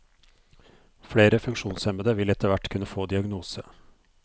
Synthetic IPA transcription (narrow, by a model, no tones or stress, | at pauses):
fɽeːɾəfʉŋkʂuːnsɛməd̪əʋɪlɛt̪əʋæʈkʰʉnːəfoːd̪ɪɑɡnuːsə